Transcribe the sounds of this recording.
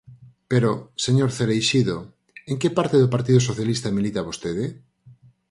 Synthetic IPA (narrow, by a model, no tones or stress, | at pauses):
peɾoseɲoɾθeɾejʃiðo | eŋkepaɾt̪eðopaɾt̪iðʊsoθjalist̪amilit̪aβost̪eðɪ